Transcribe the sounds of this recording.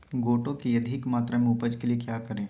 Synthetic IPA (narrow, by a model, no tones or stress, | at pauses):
ɡoːʈõkijɐd̪ʱɪkmaːt̪ɾamẽʊpəd͡ʒkeliekjaːkɐɾẽː